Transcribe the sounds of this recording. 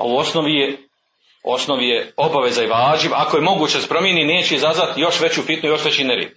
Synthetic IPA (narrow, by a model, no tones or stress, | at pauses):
a̰uo̞sno̞ʋije | o̞̰snoʋijeo̞baʋe̞zaiʋaːʒimakoje̞mo̞ɡuːt͡ɕespɾo̞mjenineːt͡ɕeizazʋat̪jo̞ʃʋe̞t͡ɕufit̪nujo̞ʃʋe̞t͡ɕineɾḛːd̪